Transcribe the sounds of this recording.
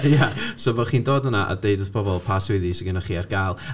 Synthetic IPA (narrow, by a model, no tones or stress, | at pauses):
jasovɔχiːndoːdənaʔa̰dejdɔθpʰɔbɔlˠpʰaswɪðisɪɡənaχiːarɡ̥aːlˠ